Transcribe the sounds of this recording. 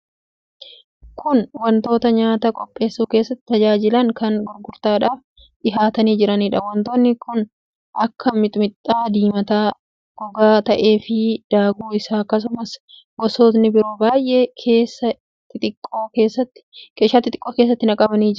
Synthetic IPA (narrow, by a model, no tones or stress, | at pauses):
kʰʊnwɐnt̪o̞ːt̪ɐɲaːt̪ɐkʼɔpʼːe̞ːsːuːkeːsːɐt̪ːɪ̥t̪ɐd͡ʒaːd͡ʒɪlɐŋkɐnɡʊɾɡʊɾt̪aːᶑaːf | ᶑɪɦaːt̪ɐniːd͡ʒɪɾɐniːᶑɐwɐnt̪oːnːɪkʊn | ʔɐkːɐmɪt̪ʼʊmɪt̪ʼːaːd̪iːmɐt̪aː | ɡ̥ɔɡaːt̪ɐʔe̞ːfɪd̪̥aːɡuːɪsaːkːɐs̬ʊmɐs | ɡɔsoːt̪nɪbɪɾo̞ːbaːjʔekʰeːsːɐ | ɪt̪ɪkʼːoːkeːsːɐt̪ːɪ̥keːʃaːt̪ːɪt̪ʼɪ̥kʼːoːkeːs̬ːɐt̪ːɪnɐkʼɐbɐniːd͡ʒɪɾ